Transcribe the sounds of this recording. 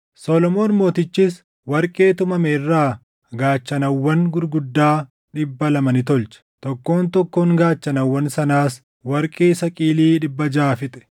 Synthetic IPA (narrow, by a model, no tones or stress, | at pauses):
solɔmoːnmo̞ːt̪ɪt͡ʃːiːs | wɐɾkʼe̞ːt̪ʊmɐmɛɪrːaː | ɡaːt͡ʃːɐnɐwːɐnɡʊɾɡʊd̪ːaː | ᶑɪbːɐlɐmɐnɪt̪ɔlt͡ʃɐ̥t̪ɔkːo̞ːnt̪ɔkːoːŋɡaːt͡ʃːɐnɐwːɐnsɐnaːs | wɐɾkʼeːsɐkʼiːliːᶑɪbːɐd͡ʒaːfɪt̪ʼɛ̥